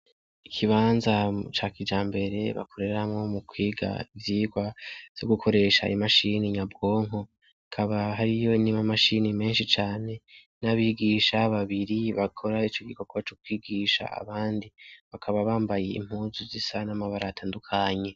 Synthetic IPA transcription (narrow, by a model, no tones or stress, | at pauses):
ikʰiβaːnzat͡ʃakid͡ʒaːmbe̞ɾe̞βa̰kʰo̞ɾe̞ɾamŋo̞mukwiːɡa̰ivjiːɡwav̥jo̞ɡukʰo̞ɾe̞ːʃa̰imaʃiniɲabɡo̞ːŋɦo | akʰaβaɦaɾijo̞inimamaʃinime̞ːnʃit͡ʃaːne̞ | naβiːɡiːʃaβaβiɾiβakʰo̞ɾait͡ʃo̞ɡikokʰat͡ʃok̚wiːɡiːʃa̰a̰βaːndiβakʰaβaβaːmbajeḭm̥huːzuzisanamaβaɾatʰaːndukʰaɲe̞